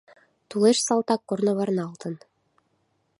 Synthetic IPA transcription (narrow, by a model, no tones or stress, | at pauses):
t̪ulˠeʃsɑlˠt̪ɑkːornoβɑɾnɑlˠt̪ɤ̆n